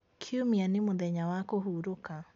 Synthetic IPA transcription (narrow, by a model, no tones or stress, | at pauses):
kʰiumianɪmʊðɛɲawakoɦuɾoka